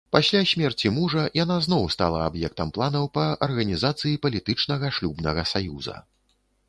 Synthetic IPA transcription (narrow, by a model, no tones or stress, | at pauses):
pasʲlʲasʲmʲɛrt͡sʲimuʐɐjanaznɔwst̪a̰lˠɐabjɛk̚t̪ɐmplˠanɐwpɐɐrɣɐnʲizat̪sɨjipɐlʲit̪ɨt͡ʂn̪ɐɣɐʂlʲubnɐɣɐsajuzɐ̰